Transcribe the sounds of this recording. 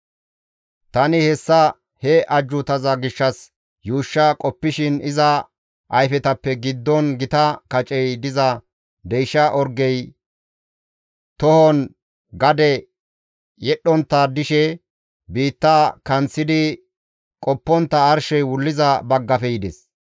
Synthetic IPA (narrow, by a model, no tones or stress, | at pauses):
t̪ɐnɪhɛsːɐ | hɛʔɐd͡ʒːʊt̪ɐzɐɡɪʃːɐs | juːʃːɐkʼɔpːɪʃɪnɪzɐ | ʔɐjfɛt̪ɐpːɛɡɪd̪ːɔnɡɪt̪ɐkɐt͡ʃʼɛjd̪ɪzɐ | d̪ɛjʃɐʔɔɾɡɛj | t̪ɔhɔn | ɡɐd̪ɛ | jɛɗɔnt̪ːad̪ɪʃɛ | biːt̪ːakɐnt͡sːɪd̪ɪ | kʼɔpːɔnt̪ːɐːɾʃɛjwʊlːɪzɐbɐɡːɐfɛjɪd̪ɛs